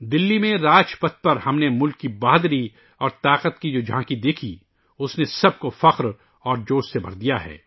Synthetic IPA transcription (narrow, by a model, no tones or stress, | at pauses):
d̪ɪlːimẽɾaːt͡ʃpɐt̪̚pɐɾhɐmnemʊlkːibaːd̪ɾi | ɔːɾt̪aːqət̪kid͡ʒoːd͡ʒʱãːkid̪eːkʰi | ʊsnesɐb̚kofɐqɾ | ɔːɾd͡ʒoːʃsebʱɐ̰ɾd̪ijaɦɛ̰ː